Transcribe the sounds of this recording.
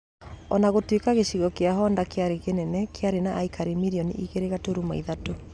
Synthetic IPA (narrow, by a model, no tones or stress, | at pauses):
ɔnaɣotwekaɣeɕiɣɔkeaɦɔːndakeaɾeɣenɛnɛkeaɾenaʔːikaɾemiɾiɔnḭʔiɣeɾeɣatoɾumaiðato